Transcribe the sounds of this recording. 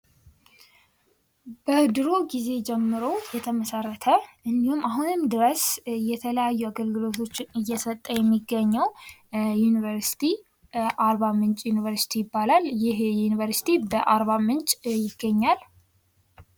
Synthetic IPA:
b̥əd̪ɨɾoɡize̞d͡ʒɛmːɨɾo̞wjɛt̪ʰəməsərːət̪ʰəʔɨnd̪ihumaɦunɨmd̪ɨɾəsjɛt̪ʰələjajːuaɡəlɡɨlo̞t̪ʰo̞t͡ʃːɪnɨjːɛsət̪ʼːəjɛmːiɡːəɲːəwjunivəɾsi̥t̪ʰi | ʔaɾβamɨnt͡ʃʼjunivəɾsi̥t̪ʰijɪbːalaljɪhjunivəɾsi̥t̪ʰibəʔaɾβamɨnt͡ʃʼjɪɡːəɲːal

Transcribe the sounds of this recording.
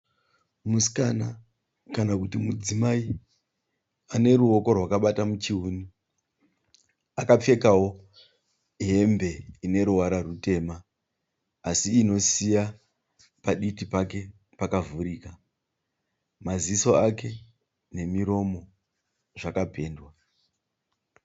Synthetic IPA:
muskana | kanakutimud͡zimai | ane̞ɾuo̞ko̞rwakaɓatamut͡ʃiuːni | akap͡fe̞kawo̞ | ɦe̞mbe̞ine̞ɾuwaɾarute̞ːmaː | siːno̞sija | paɗitipake̞ | pakavuɾiːka | maziso̞ake̞ | ne̞miɾo̞mo̞ | ʐakape̞ːndwa

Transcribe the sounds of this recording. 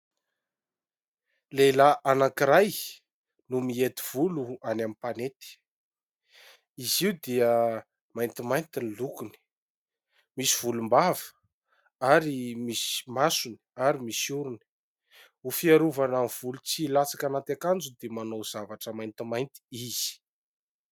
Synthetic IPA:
lelaʔanakiɾaj | numiet̪iv̥uluanamipanet̪i̥ | iziwd̪iə | majnt̪imajnt̪inilukuni̥ | misiv̥ulumbav̥ə̥ | aɾimismasuni̥aɾimisuɾuni̥ | ufiaɾuvanamiv̥ulut͡silat͡sḁkanat̪akand͡zud̪emanoz̥avaʈ͡ʂəmajnt̪imajnt̪i̥iz̥i̥

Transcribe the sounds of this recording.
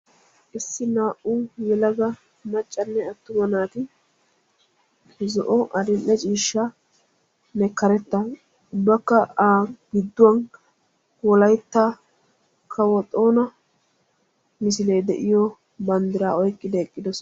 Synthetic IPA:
ʔɪsːɪnaːʔujɛlɐɡɐ | mɐt͡ʃʼːɐnːɛɐt̪ːʊmɐnaːt̪ɪ | zɔʔɔʔɐd̪ɪnʔːɛt͡ʃʼiːʃːɐ | nɛkːɐɾɛt̪ːɐ | ʊbːɐkːɐaːɡɪd̪ːʊwɐn | wɔlɐjt̪ːaː | kʰɐwɔt̪ʼːo̞ːnɐ | mɪsɪle̞ːd̪ɛʔɪjɔ | bɐnd̪ɪɾaːɔjkʼːɪd̪ɛɛkʼːɪd̪ɔsɔ

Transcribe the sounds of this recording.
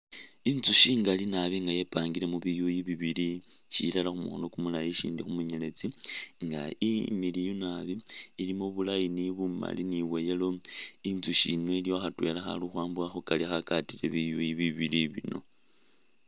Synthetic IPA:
inzuʃiːŋɡalinaβiŋɡaje̞paːŋɡile̞muβijujiβiβiliʃḭlalaxumṵxo̰no̞kumulajiʃḭːndixumuɲele̞t͡siŋɡaimilijonaβiːlimoβulajiniβuma̰liniβwe̞jelo̞inzuʃino̞ilioxatwe̞ːlaxa̰luxwaːmbuaxukaliaxakatilḛβijujiβiβiliβḭno̞̰

